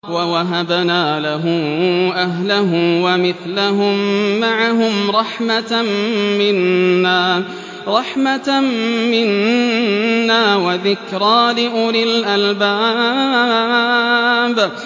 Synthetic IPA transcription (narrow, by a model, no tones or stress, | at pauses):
wawaɦabnaːlaɦʊʔaɦlaɦʊmwamɪθlaɦʊmːaʕaɦʊmɾˤɑħma | mɪnːaː | ɾˤɑħma | mɪnː | aːwaðɪkɾˤɑːlɪʔʊɾɪlʔalbaː | b